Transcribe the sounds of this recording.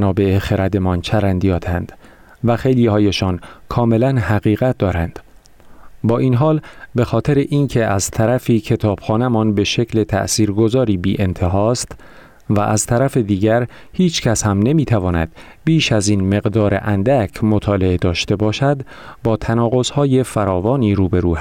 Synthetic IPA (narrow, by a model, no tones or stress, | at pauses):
nɒːbe̞exeɾæd̪e̞mɒːnt͡ʃʰæɾænd̪ijɒːt̪ʰænd̪̥ | væxe̞jliːhɒːjeʃɒːnkʰɒːme̞lænhæɣiːɣæt̪̚ʰd̪ɒːɾænd̪̥ | bɒːʔiːnɦɒːlbe̞xɒːt̪ʰe̞ɾeʔiːncʰe̞æzt̪ʰæɾæfiːcʰe̞t̪ʰɒːb̥xɒːnemɒːnbe̞ʃe̞cʰle̞t̪ʰæ̰ʔsiːɾɡo̞zɒːɾiːbiːʔe̞nt̪ʰe̞ɦɒːst̪ | væʔæz̥t̪ʰæɾæfe̞d̪iːɟæɾ | hiːt͡ʃʰcʰæshæmne̞miːt̪ʰævɒːnæ̰d̪̥̚ | biːʃæzinme̞ɣd̪ɒːɾḛʔænd̪æcʰmot̪ʰɒːle̞ed̪ɒːʃt̪e̞bɒːʃæd̪bɒːt̪ʰænɒːɣo̞z̥hɒːje̞fæɾɒːvɒːniːɾuːbeɾuːæ